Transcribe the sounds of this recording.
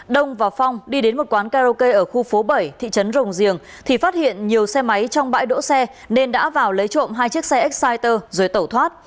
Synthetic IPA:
ɗə˧wŋ͡mvaː˨˩fɔ˧wŋ͡mɗi˧ɗe˨˦nmo˨˩t̚kwaː˨˦nkaː˧zo˧kə˧jʔəː˧˩xu˧fo˨˦ɓə˧˩jt̪ʰḭ˧˨t͡ɕə˨˦nzə˨˩wŋ͡mzi˨˩əŋ | t̪ʰi˨˩faː˦˥t̚hḭ˧˨ənɲi˨˩əwsɛ˧ma˨˦jt͡ɕɔ˧wŋ͡mɓa̰ː˧˥jɗo̰˧˥sɛ˧ | ne˧nɗa̰ː˧˥vaː˨˩wlə˨˦jt͡ɕo̰˧˨mɦaː˧jt͡ɕi˦˥ək̚sɛ˧ʔɛ˦˥k̚saː˧jt̪əː˧zo˨˩jt̪ə˧˩wt̪ʰwaː˦˥t̚

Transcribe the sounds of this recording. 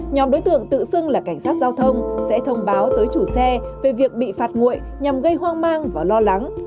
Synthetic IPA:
ɲɔ˨˦mɗo˨˦jt̪ɨ̰˧˨əŋt̪ɨ̰˧˨sɨ˧ŋlaː˨˩ka˧˩jŋ̟saː˦˥t̚zaː˧wt̪ʰə˧wŋ͡msɛ̰˧˥t̪ʰə˧wŋ͡mɓaː˨˦wt̪əː˨˦jt͡ɕu˧˩sɛ˧ve˨˩vi˨˩ək̚ɓḭ˧˨faː˨˩t̚ŋṵ˧˨j | ɲa˨˩mɣə˧jɦwaː˧ŋmaː˧ŋvaː˨˩lɔ˧la˨˦ŋ

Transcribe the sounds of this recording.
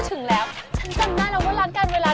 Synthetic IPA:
t͡ɕ̪ʰɯ˨˩˦ŋlɛː˨˦˥wt͡ɕʰa˨˦˥nka˨˧˩mnaː˧˥˩la˧˩kɔː˨˦˥laː˧˥˦ŋka˧nweː˧laː˧

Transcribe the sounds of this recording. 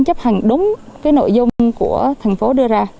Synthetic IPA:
ŋ͡mt͡ɕə˦˥p̚ha˨˩ŋ̟ɗʊ˨˦ŋ͡mkaː˨˦jno̰˧˨jzʊ˧ŋ͡mku˧˩ət̪ʰɛ˨˩jŋ̟fo˨˦ɗɨ˧əzaː˧

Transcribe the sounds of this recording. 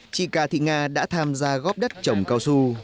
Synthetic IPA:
t͡ɕḭ˧˨kaː˨˩t̪ḭ˧˨ŋaː˧ɗa̰ː˧˥t̪ʰaː˧mzaː˧ɣɔ˦˥p̚ɗə˦˥t̚t͡ɕə˨˩wŋ͡mkaː˧wsu˧

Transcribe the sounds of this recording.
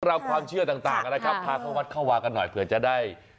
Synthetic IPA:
ɾa˧wkʰwaː˧mt͡ɕʰɯ˥˩ɐt̪aː˨˩ŋt̪aː˨˩ŋʔa˧na˦˥jkʰa˦˥pʰːaː˧kʰɔ˨˦wa˦˥t̪̚kʰa˥˩waː˧ŋka˧nːɔ˨˩jpʰɯ˨˩˦ɐt͡ɕa˨˩daː˥˩j

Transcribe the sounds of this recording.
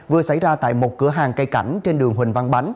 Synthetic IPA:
vɨ˨˩əsa̰˧˩jzaː˧t̪a̰ː˧˨jmo˨˩t̚kɨ˨˧˦əɦaː˨˩ŋkə˧jka˧˩jŋ̟t͡ɕe˧nɗɨ˨˩əŋɦwï˨˩ŋ̟va˧ŋɓa˨˦jŋ̟

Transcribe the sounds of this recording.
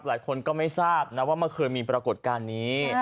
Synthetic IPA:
p̚laː˨˩˦jkʰo˧nkɔː˥˩ma˥˩jsaː˥˩p̚na˦˥waː˥˩ma˧˥˩kʰɤː˧jmiː˧pɾa˧ko˨˩t̪̚kaː˧nːiː˦˥

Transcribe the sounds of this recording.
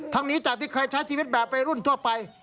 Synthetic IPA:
t̪ʰa˧˥ŋniː˦˥t͡ɕaː˨k̚t̪ʰiː˥˩kʰɤː˧jt͡ɕʰa˦˥jt͡ɕʰiː˧i˦˥t̪̚bɛː˨˩p̚ːa˧jɾu˥˩nt̪ʰu˥˩ɐpa˧j

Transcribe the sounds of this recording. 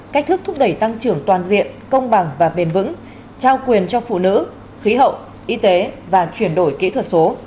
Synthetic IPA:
ka˦˥k̚t̪ʰɨ˦˥k̚t̪ʰʊ˦˥k͡p̚ɗə˧˩jt̪a˧ŋt͡ɕɨ˨˧˩əŋt̪waː˨˩nzḭ˧˨ənkə˧wŋ͡mɓa˨˩ŋvaː˨˩ɓi˨˩ənvɨ̰˧˥ŋ | t͡ɕaː˧wkwi˨˩ənt͡ɕɔ˧fṵ˧˨nɨ̰˧˥ | xi˨˦ɦə̰˧˨wʔ | ʔi˧t̪e˨˦vaː˨˩t͡ɕwi˧˩ənɗo˧˩jkḭ˧˥t̪ʰwə˨˩t̚so˨˦

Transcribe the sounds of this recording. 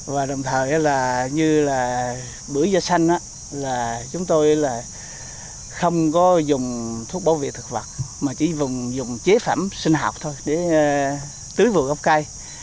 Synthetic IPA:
vaː˨˩ɗə˨˩wŋ͡mt̪ʰəː˨˩jʔaː˨˦laː˨˩ɲɨ˧laː˨˩ | ɓɨ˧˩əjzɔ˧sa˧jŋ̟ʔaː˧˥ | laː˨˩t͡ɕʊ˨˦ŋ͡mt̪o˧jlaː˨˩ | xə˧wŋ͡mkɔ˨˦zʊ˨˩ŋ͡mt̪ʰu˦˥ək̚ɓa̰˧˦wvḛ˧˨t̪ʰɨ˨˩k̚və˨˩t̚maː˨˩t͡ɕḭ˧˩˦zʊ˨˩ŋ͡mzʊ˨˩ŋ͡mt͡ɕe˨˦fa̰ː˧˩msï˧ŋ̟ɦa̰˨˩wk͡p̚t̪ʰo˧jɗe˧˩˦ | t̪ɨ˨˦jvɨ̰˧˨ɣɔ˦˥k͡p̚ka˧j

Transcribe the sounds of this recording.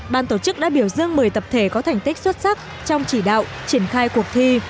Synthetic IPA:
ɓaː˧˩nt̪o˧˩t͡ɕɨ˦˥k̚ɗa̰ː˧˥ɓi˧˩əwzɨ˧əŋmɨ˨˩jt̪ə˨˩p̚t̪ʰe˧˩kɔ˨˦t̪ʰa˨˩jŋ̟t̪i˦˥k̟̚swə˦˥t̚sa˦˥k̚ | t͡ɕɔ˧wŋ͡mt͡ɕi˧˩ɗa̰ː˧˨w | t͡ɕi˧˩ənxaː˧jku˨˩ək̚t̪ʰi˧

